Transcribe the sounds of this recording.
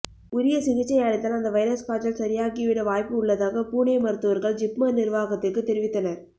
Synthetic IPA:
ʊɾɪjɐsɪɣɪt͡ʃːɐɪaːɽɪt̪ːaːlɐnd̪ɐʋɐjɾɐskaːt͡ʃːɐlsɐɾɪjaːɣɪʋɪɽɐʋaːjpɯʊɭːɐðaːɣɐpuːnɐɪmɐɾɯt̪ːɯʋɐɾɣɐɭd͡ʒɪpmɐnnɪɾʋaːɣɐt̪ːɪrkːɯt̪ːɛɾɪʋɪt̪ːɐnɐɾ

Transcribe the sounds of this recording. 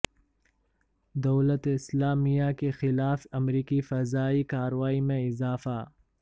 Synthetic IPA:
d̪ɐwlɐt̪ɪslaːmijakexɪlaːfɐmɾiːkifɐzaːikaːɾwaːimẽɪzaːfa

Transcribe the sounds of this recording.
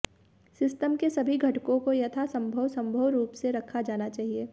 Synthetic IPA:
sɪsʈəmkesɐbʱiɡʱɐʈkõkojɐt̪ʰasɐ̃mbʱəʋsɐ̃mbʱəʋɾuːpseɾɐkʰːad͡ʒaːnat͡ʃaːɦieː

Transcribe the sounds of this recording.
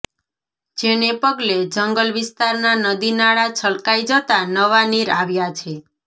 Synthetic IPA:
d͡ʒenepəɡled͡ʒəŋɡəlʋist̪aɾnanəd̪inaɭat͡ʃʰəlkajd͡ʒət̪anəʋaniɾaʋjat͡ʃʰe

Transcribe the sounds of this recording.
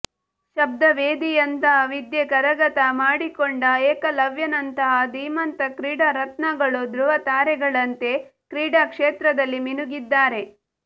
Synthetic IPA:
ʃɐb̚d̪ɐʋeːd̪ijɐnt̪ɐʋid̪jekɐɾɐɡɐt̪ɐmaːɽikoɳɖɐeːkɐlɐʋjɐnɐnt̪ɐɦɐd̪iːmɐnt̪ɐkɾiːɽɐɾɐt̪nɐɡɐɭud̪ɾuʋɐt̪aːɾɛɡɐɭɐnt̪e̞kɾiːɽakʂeːt̪ɾɐd̪ɐlːiminuɡid̪ːaːɾe̞

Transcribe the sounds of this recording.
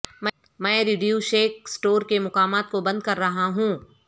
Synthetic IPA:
mɛ̃ | mɛ̃ːɾɪɖijuʃeːk̚sʈoːɾkemʊqaːmaːt̪̚kobɐ̃nd̪̚kɐɾːɐɦaɦũː

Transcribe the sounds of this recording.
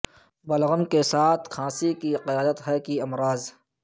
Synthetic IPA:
bɐlɣəmkesaːt̪ʰkʰãːsikiqɪjaːd̪ət̪ɦɛːkiɐmɾaːz

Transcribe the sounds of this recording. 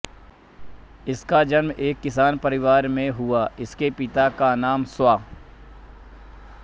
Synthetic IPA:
ɪskad͡ʒənmeːkːɪsaːnpɐɾɪʋaːɾmẽɦʊaɪskepɪt̪akanaːmswaː

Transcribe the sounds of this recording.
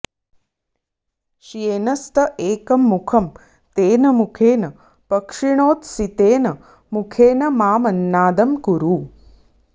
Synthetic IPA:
ʃieːnɐst̪ʰɐʔeːkɐmːukʰɐm | t̪eːnɐmukʰeːnɐ | pɐkʂiɳoːt̪sit̪eːnɐ | mukʰeːnɐmaːmɐnːaːd̪ɐmkuɾuː

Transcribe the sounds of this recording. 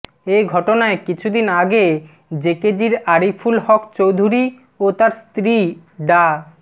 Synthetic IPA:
ejɡʱɔʈonaekit͡ɕʰud̪inaɡe | d͡ʑeked͡ʑiɾaɾifʰulhɔkt͡ɕowd̪ʱuɾi | ot̪aɾst̪ɾi | ɖa

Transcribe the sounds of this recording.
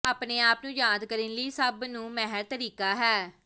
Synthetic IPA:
aːpneːaːpnũːjaːd̪kəɾinliːsəbnũːmɛɦəɾt̪əɾiːkaːɦɛː

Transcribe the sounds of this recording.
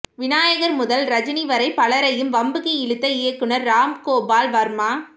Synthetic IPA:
ʋɪnaːjɐɣɐɾmʊðɐlɾɐd͡ʒɐniʋɐɾɐɪpɐɭɐɾɐjɯmʋɐmbɯɣɐɪɭɯt̪ːɐɪjɐkːɯnɐɾːaːmkoːbaːlʋɐɾmaː

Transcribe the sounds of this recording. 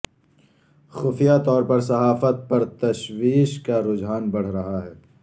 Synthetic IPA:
xʊfijat̪ɔːɾpɐɾs̬ɐɦaːfət̪̚pɐɾt̪ɐʃwiːʃkaɾʊd͡ʒɦaːnbɐɽ̤ɾɐɦaɦɛː

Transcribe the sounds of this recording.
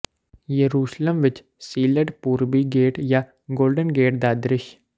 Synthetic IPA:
jəɾuːʃləmʋɪt͡ʃ | siːləɖpuːɾbiɡeːʈjaː | ɡoːlɖənɡeːʈd̪aːd̪ɾɪʃ

